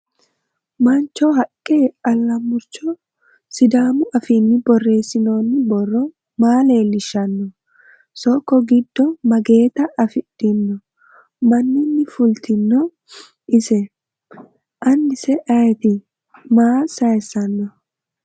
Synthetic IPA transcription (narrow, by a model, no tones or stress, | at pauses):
mɐnt͡ʃːɔɦɐkʼːeːɐlːɐmʊɾt͡ʃɔ | sɪd̪aːmʊɐfinːɪbɔrːe̞ːsːɪnoːnːɪbɔrːɔ | maːle̞ːlːɪʃːɐnːɔ | sɔkːɔɡɪd̪ːɔmɐɡe̞ːt̪ɐʔɐfɪɗɪnːɔ | mɐnːɪnːɪfʊlt̪ʰɪnːɔ | ɪsɛ | ʔɐnːɪsɛʔɐjɛt̪ɪ | maːsɐjsːɐnːɔ